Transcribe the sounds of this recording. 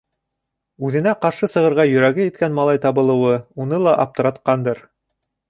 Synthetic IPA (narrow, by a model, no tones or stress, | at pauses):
ʉðɘ̆næqɑɾʃɤsɤ̆ʁɤ̆ɾʁɑjɵ̆ɾæɡɘjɘ̆t̪kænmɑlˠɑjt̪ɑβɤ̆lˠɤ̆wɤunɤlˠɑʔɑp̚t̪ɤ̆ɾɑt̪qɑnd̪ɤɾ